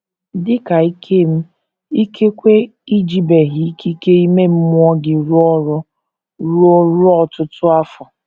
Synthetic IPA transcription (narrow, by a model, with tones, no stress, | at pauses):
dɪ˦ka˨i˦kʰe˦m̩˦ | i˦kʰe˦kʷe˦ | i˦d͡ʒi˦be˨ɦi˨˦ki˦ke˦i˦me˦m̩˦mmʊ˦ɔ˦ɡɪ˨ɾu˦ɔ˦ɾʊ˦ | ɾɔ˦ɾʊ˦ɔ˦tʊ˦tʊ˦a˦fɔ˨